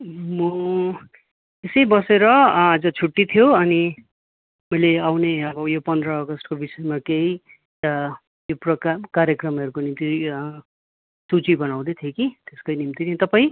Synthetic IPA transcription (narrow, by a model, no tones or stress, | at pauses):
mʌ | esʌjbʌseɾʌːd͡zʌt͡sʰuʈːit̪ʰijoʌni | mʌjleawneʌbʌjopʌnd̪ɾʌːɡʌsʈkobisʌemakeɦi | joprʌkakaɾjʌkrʌmʌɾukonimt̪i | sut͡sibʌnaw̃d̪ʌt̪ʰjokit̪eskʌjnimt̪init̪ʌpaĩ